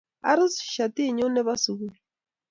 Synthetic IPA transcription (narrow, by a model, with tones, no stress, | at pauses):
a̰˦ɾu˦sʃa˨ti˦˨ɲu˦nɛ˦βa˦su˨ɣu